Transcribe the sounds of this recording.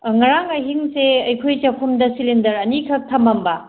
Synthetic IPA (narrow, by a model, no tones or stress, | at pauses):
ŋɐɾaŋɐɦiŋseɐjkʰojt͡ʃɐpʰumdɐsilindɐɾɐnikʰɐk̚tʰɐmɐmbɐ